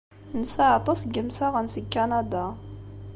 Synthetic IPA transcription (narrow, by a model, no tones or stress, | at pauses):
nsaʕt̪ˤɑsɡəmsaʁənsəkːanad̪a